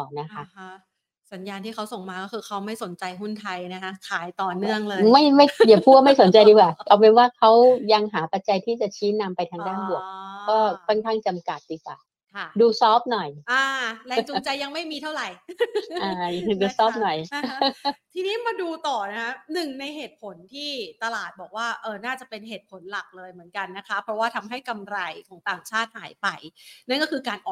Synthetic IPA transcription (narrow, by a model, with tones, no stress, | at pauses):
ɔː˨˩na˦˥kʰa˦˥ | sa˩˦njaː˧nt̪iː˥˩kʰa˦˥wso˨˩ŋmaː˧kɔː˥˩xʰɯː˧kʰa˦˥wma˥˩jso˩˦nt͡ɕa˧jɦu˥˩nt̪ʰa˧jna˦˥kʰa˦˥kʰaː˩˦jt̪ɔː˧nːɯ˥˩əŋlɤː˧ma˥˩jma˥˩jdi˨˩pʰuː˥˩wa˥ma˥˩jso˩˦nt͡ɕa˧jdiː˧kwaː˨˩kɔː˨˩pe˧nwaː˥˩kʰa˦˥wja˧ŋɦaː˩˦pa˧t̪̚t͡ɕa˧jt̪ʰiː˥˩t͡ɕa˨˩t͡ɕʰiː˦˥na˧mpa˧jt̪ʰaː˧ŋdaː˥˩nbu˨˩ək̚kːɔː˥˩kʰɔ˥˩nkʰaː˥˩ŋt͡ɕa˧mka˨˩t̪̚diː˨˩k̚wa̰ː˨˩˧ | duː˧sɔː˦˥p̚nɔ˨˩jʔaː˧lɛː˧˩ŋt͡ɕu˧nt͡ɕa˧jːa˧ŋma˥˩jmiː˧t̪ʰa˥˩wɾa˨˩jʔa˧duː˧sɔː˦˥p̚nɔ˨˩j | t̪ʰiː˧niː˦˥maː˧duː˧t̪ɔː˨˩na˦˥nɯ˨˩ŋna˧jɦeː˨˩t̪̚pʰo˩˦nt̪ʰiː˥˩t̪a˧laː˨˩t̪̚bɔː˨˩k̚waː˥˩ʔɤː˧˩naː˥˩t͡ɕa˨˩pe˧nɦeː˨˩t̪̚pʰo˨˩˦nla˨˩k̚lɤː˧jmɯ˩˦ənka˧nːa˦˥kʰa˦˥pʰɾɔ˦˥waː˥˩t̪ʰa˧mɦa˥˩jka˧mɾa˧jkʰɔː˩˦ŋt̪aː˨˩ŋt͡ɕʰaː˥˩t̪̚haː˩˦jpa˧jna˥˩nkɔ˥˩kʰɯː˧kaː˧nʔɔː˨˩